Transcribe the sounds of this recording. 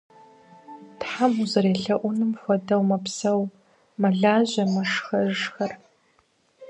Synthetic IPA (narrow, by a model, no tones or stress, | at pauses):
tħamuzɐɾeːɬɐʔʷʊnɨmxʷɔdɐwmɐpsɐw | mɐɮaːʑɐmɐʂxɐʐxɐr